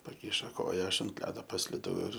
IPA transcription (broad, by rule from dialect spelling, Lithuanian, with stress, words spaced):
pɐˈkʲɪʃoː ˈkoːjɛ ˈɐʃ ɐnt ˈlʲæːdoː pɐsʲlʲɪˈdɐʊ ɪr